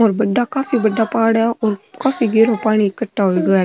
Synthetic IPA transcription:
ɔːɾbɐɖːakaːfibɐɖːapaːɽaʔɔːɾkaːfiɡeːɾopaːɽ̃ikɐʈːaɦoɡɐa

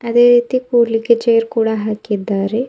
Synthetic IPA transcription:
ɐd̪e̞ːɾiːt̪ikuːliɡed͡ʒejɾkuːɽɐɦaːkid̪ːaːɾe

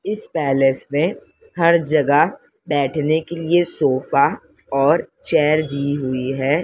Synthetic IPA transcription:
ɪspɛːlesmẽ | hɐɾd͡ʒɐɡa | bɛːʈʰnekeliesoːfa | ɔːɾt͡ʃɛːɾd̪iɦʊiɦɛː

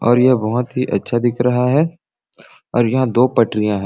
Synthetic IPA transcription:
ɔːɾjɐɦbɐɦʊt̪ɦiʔɐ̰tːʃʰad̪ɪkʰɾɐɦaɦɛː | ɔːɾjɐɦãd̪oːpɐʈɾijãɦɛ̃

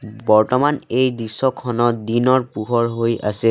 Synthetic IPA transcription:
bɔɹtɔmanejdisːɔkʰːɔnɔd̪inɔɹpuɦɔɹɦojʔa̰sɛ

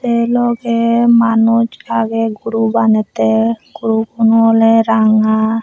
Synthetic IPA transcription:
t̪elɔɡɛmanud͡ʒaɡeɡuɾubanɛt̪eɡ̥uɾukunuɔlɛɾaŋa

